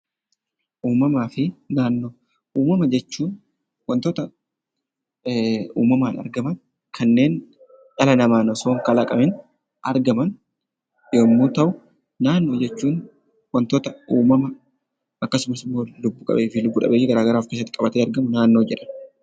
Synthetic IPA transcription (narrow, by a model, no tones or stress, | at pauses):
ʔuːmɐmaːfɪnaːnːo̞ː | ʔuːmɐmɐd͡ʒɛt͡ʃːuːn | wɐnt̪oːt̪ɐ | ṵːmɐmaːnɐ̰ɾɡɐmɐn | kʰɐnːe̞ːn | ʔɐlɐnɐmaːnɔsoːŋkɐlakʼɐmɪn | ʔɐɾɡɐmɐn | joːmːuːt̪ɐʔʊ | naːnːo̞ːd͡ʒɛt͡ʃːuːn | wɐnt̪oːt̪ɐuːmɐmɐ | ɐkːɐsʊmɐsɪmːoːlʊbːʊkʼɐ̰be̞ːfɪlʊbːʊᶑɐ̰beːjɪɡɐɾaːɡɐɾaːfke̞ːs̬ɐt̪ːɪkʼɐbɐt̪eːɐɾɡɐmʊnaːnːo̞ːd͡ʒɛᶑɐ̥n